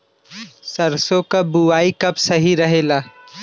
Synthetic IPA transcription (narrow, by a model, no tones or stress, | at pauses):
sɐɾsõkabuaːikɐpsɐɦiɾɐɦeːlaː